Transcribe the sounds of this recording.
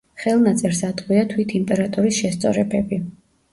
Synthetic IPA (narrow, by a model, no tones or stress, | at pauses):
χɛlˠnat̪sʼɛɾsat̪ʼqʼwiat̪ʰwit̪ʰimpʼɛɾat̪ʼɔɾisʃɛst̪sʼɔ̰ɾɛbɛbi